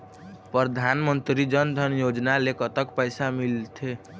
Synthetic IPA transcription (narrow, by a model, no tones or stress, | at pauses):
pɾəd̪ʱanmənt̪ɾid͡ʒənd̪ʱənjod͡ʒnalekət̪əkpəɪsamilt̪ʰe